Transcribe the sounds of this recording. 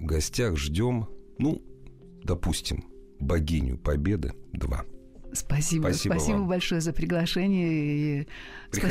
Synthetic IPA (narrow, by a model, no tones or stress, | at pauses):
vɡɐsʲtʲaxʐdʲo̞mnu | d̪ɐpusʲtʲɪ̰m | bɐɡʲinʲʊ̰pɐbʲe̞d̪ɨ̰d̪va̰ | spɐsʲibpɐipɐsibəbɐlʲʂojəzəpɾʲɪɡlˠɐʂɛnʲɪjəipɾʲɪɐ